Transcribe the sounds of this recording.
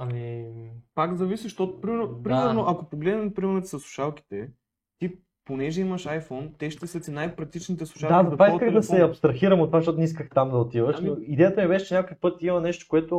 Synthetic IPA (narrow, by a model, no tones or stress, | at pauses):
ɐmipakzɐvisiʃt̪ɔt̪ʊ̥pɾimɛɾnopɾimɛɾnoʔɐkopoɡlɛd̪nɛmpɾimɛɾnot̪ɛsəslˠu̥ʃalki̥t̪ɛ | t̪i | ponɛʒɛiməʃajfɔnt̪ɛʃt̪ɛsəsinajpɾɐk̚t̪it͡ʃnit̪ɛslˠu̥ʃad̪at̪vaikəɣd̪ɐsɛɐpst̪ɾɐxiɾəmot̪ːovaʃt̪ɔt̪nɛiskəxt̪amd̪ɐot̪ivəʃnoid̪ɛjət̪əmibɛʃɛt͡ʃɛnʲakoəfpɤt̪imɐnɛʃt̪o̥koɛt̪ʊ